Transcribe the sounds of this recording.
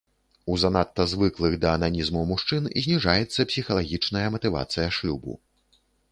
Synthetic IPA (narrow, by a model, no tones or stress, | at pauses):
uzɐnat̪ːɐzvɨklˠɨɣd̪ɐːnanʲizmumuʂt͡ʂɨnḭzʲnʲiʐajɛt̪sːɐpsʲixɐlˠaɣʲit͡ʂnɐjɐmɐt̪ɨva̰t̪sɨjɐʂuwbṵ